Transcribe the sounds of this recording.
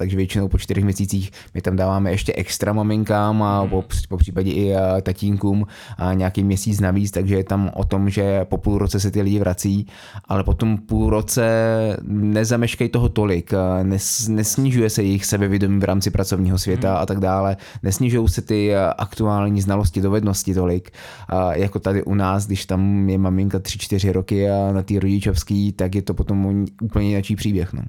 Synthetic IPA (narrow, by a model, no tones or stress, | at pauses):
t̪aɡʒɛvjɛt͡ʃɪnowpot͡ʃt̪ɪɾɛxmɲɛsiːt͡siːx | mɪt̪amdaːvaːmɛjɛʃcɛʔɛkst̪ɾamamɪŋkamapopopr̥iːpaɟɛʔɪt̪aciːŋkuːm | ɲɛakiːmɲɛsiːt͡snaviːt͡st̪aɡʒɛjɛt̪amʔo̰t̪o̞mʒɛpo̞puːlɾot͡sɛs̬ɛt̪ɪlɪɟɪvɾʔat͡siː | ʔalɛpo̞t̪ompuːlɾot͡sɛ | nɛzamɛʃkajt̪oɦot̪o̞lɪknɛnɛsɲɪʒujɛsɛjɛjɪxsɛbɛvjɛdo̞miːvɾʔa̰ːmt͡sɪpɾat͡sovɲiːɦo̞svjɛt̪aa̰t̪aɡdaːlɛ | nɛsɲɪʒujowsɛt̪ɪʔa̰kt̪uaːlɲiːznaloscɪdovɛdno̞scɪt̪o̞lɪk | jako̞t̪adɪʔunaːsɡdɪʃt̪amjɛmamɪŋkat̪r̥ɪt͡ʃt̪ɪr̝ɪɾokɪnat̪iːɾoɟɪt͡ʃofskiːt̪ak̬jɛt̪opo̞t̪o̞moʔuːpl̩ɲɛɪnat͡ʃiːpr̝̥iːbjɛxno̰